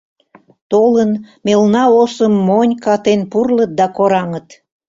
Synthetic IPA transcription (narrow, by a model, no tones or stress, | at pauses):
t̪olənmelnɑosəmːonʲkɑt̪enpurlət̪̚d̪ɑkoɾɑŋət̪